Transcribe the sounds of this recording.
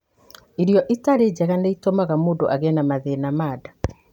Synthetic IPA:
iɾjɔʔitaɾed͡ʑɛɣaneitomaɣamoːdoʔaɣɛnamaðeːnamaːda

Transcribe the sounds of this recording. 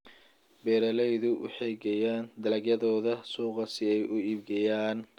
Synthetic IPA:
bɛːɾɐlɛjðʊwɑ̰ħɑjɡɐjaːnd̪ɐlɐɡjɐðɔːðɐsuːqɑsɪɛjʔʊiːbɡɐjaːn

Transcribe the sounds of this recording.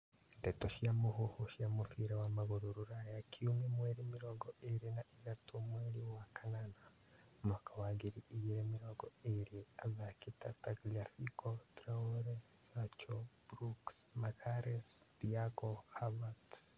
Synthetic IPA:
ndetoʃjamuɦuhuʃjamufiɾawamaɣuɾuɾuɾajakʰiumemweɾimiɾoɡoeɾinaʔiɾatumweɾiwakanana | makawaɡiɾiːjeemiɾoɡoeɾiazakitataɡlafikʰotɾaoɾesat͡ʃob̥ɾuksmakaɾesd̥iaɡohaβat

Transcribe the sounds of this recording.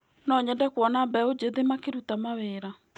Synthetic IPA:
nɔɲɛndɛkwɔnabɛod͡ʑeðemakeɾutamaweːɾa

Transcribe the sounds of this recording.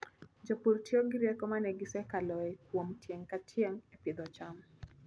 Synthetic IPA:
d͡ʒopuɾtiɔɡɪɾɛkɔmanɛɡɪsɛkalɔɛkwomtjeŋkatʰjɛŋɛpɪd̪ɔt͡ʃam

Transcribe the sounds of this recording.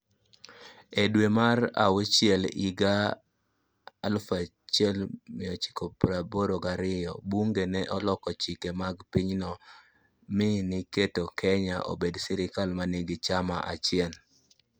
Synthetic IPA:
edwemara̰wot͡ʃjɛliɡa | lfa | t͡ʃɛlmɪɔt͡ʃi̥kopɾaboɾoɡaɾɪjɔbuŋɡenɛʔɔlɔkɔt͡ʃikemaɡpiɲnɔ | mɪnɪketokʰɛɲaʔo̰bedsɪɾɪkalmaneɡit͡ʃamaʔa̰t͡ʃɪjɛl

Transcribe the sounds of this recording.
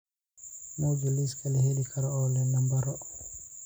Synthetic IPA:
mawd͡ʒuliskalɛhelikʰaɾaɔlɛnambaɾɔ

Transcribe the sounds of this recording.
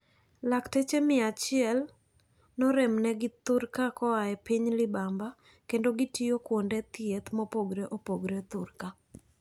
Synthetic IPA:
laktet͡ʃemɪat͡ʃɪɛl | nɔɾɛmnɛɡɪt̪ʊɾkakɔaɛpiɲlɪbamba | kendoɡɪtijokwondɛt̪ɪet̪mɔpoɡɾeʔopoɡɾet̪ʊrka

